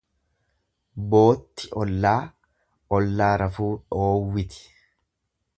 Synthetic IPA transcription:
bo̞ːt̪ːɪʔɔlːaː | ɔlːaːɾɐfuːᶑoːwːɪt̪ɪ̥

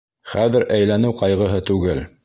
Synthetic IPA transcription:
χæðɘɾʔæjlænɘwqɑjʁɤ̆ɦɤt̪ʉɡɘl

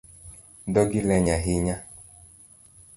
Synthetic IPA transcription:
dɔɡɪlɛɲaɦɪɲa

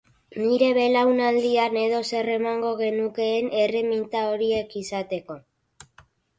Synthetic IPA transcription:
niɾe̞βe̞lawnald̪iane̞ð̞o̞se̞re̞maŋɡo̞ɣe̞nuke̞ːne̞re̞mint̪ao̞ɾie̞kisat̪e̞ko̞

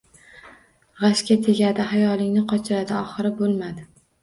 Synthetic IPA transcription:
ʁaʃkʲat̪ʰe̞ɡʲad̪ɪhajɒlˠɪŋnɪqʰɒt͡ʃʰɪɾad̪ɪɒχɨɾɪbolˠmad̪ɪ

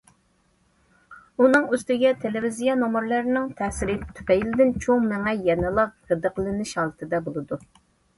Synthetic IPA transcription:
unɨŋøst̪ɪɡʲɛt̪ʰelɪvizijɑnomɨɾlˠæɾnɪŋt̪ʰɛsɪɾɪt̪ʰy̥pɛjlɪd̪ɪnt͡ʃʰoŋmɛŋɛjɛnɨlˠɑqhəd̪əqlˠɨnɪʃhɑlˠɨt̪ʰɨd̪ɛbolˠɨd̪u

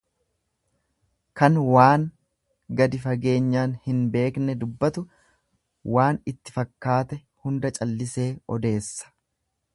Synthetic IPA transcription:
kɐnwaːŋ | ɡɐd̪ɪfɐɡe̞ːɲːaːnhɪnbe̞ːknɛd̪ʊbːɐt̪ʊ | waːnɪt̪ːɪ̥fɐkːaːt̪ɛ | hʊnd̪ɐt͡ʃʼɐlːɪse̞ːɔd̪e̞ːsːɐ̥

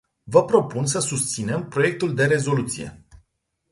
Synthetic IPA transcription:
vəpɾo̞puns̬əsust̪sine̞mpɾo̞je̞k̚t̪uld̪e̞ɾe̞zo̞lut̪sije̞̰

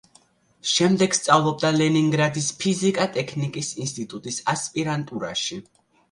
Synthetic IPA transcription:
ʃɛmd̪ɛɡ̥st̪sʼavlˠɔb̚d̪alɛniŋɡɾad̪ispʰizikʼat̪ʼɛkʰnikʼisinst̪ʼit̪ʼut̪ʼisaspʼiɾant̪ʼuɾa̰ʃi

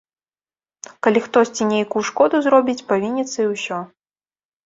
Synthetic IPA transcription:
kalʲixt̪ɔsʲt͡sʲinʲejkuːʂkɔd̪uzɾɔbʲit͡sʲpavʲinʲːɛt̪sɐiwsʲɔ

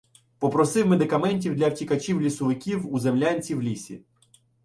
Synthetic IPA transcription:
pɔpɾɔsɪwmed̪ɪkɐmɛnʲtʲiwd̪lʲɐwtʲikɐt͡ʃʲiwlʲisʊʋɪkʲiwuzemlʲanʲt͡sʲiwlʲisʲḭ

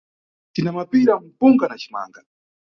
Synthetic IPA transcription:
tinamapiɾam̩puŋɡanat͡ʃi̥ma̰ːŋɡa

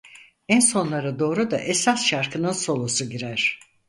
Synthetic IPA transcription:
ænso̞nlˠaɾad̪o̞ːɾud̪a̰ʔesasʃaɾkʰɯnɯnso̞lˠosuɟiɾæɾ̥

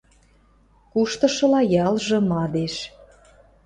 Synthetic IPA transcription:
kuʃt̪ɤ̆ʃɤ̆lɑjɑlʒɤ̆mɑd̪eʃ

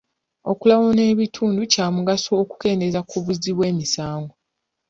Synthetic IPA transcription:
o̞kulawone̞ːβitʰuːnducaːmuɡasoːku̥ke̞ːnde̞zakuβuziβwe̞ːmisaːŋɡo

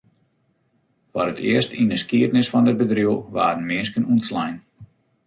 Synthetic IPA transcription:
fɔrətʰɪ̰əstindəskiətnɪsfɔndəd̚bədrjulˠʋa̰ːdən̩mɪənskənunslɛjn

